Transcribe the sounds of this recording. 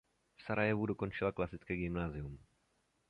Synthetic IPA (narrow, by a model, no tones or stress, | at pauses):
fsaɾajɛvudoko̞nt͡ʃɪlaklasɪt͡skɛːɡɪmnaːzɪum